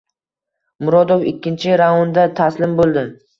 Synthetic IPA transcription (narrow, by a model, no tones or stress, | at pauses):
mʊɾɒd̪ofɪkʲːɪnt͡ʃʰɪɾaɒnd̪at̪ʰaslɪmbolˠd̪ɪ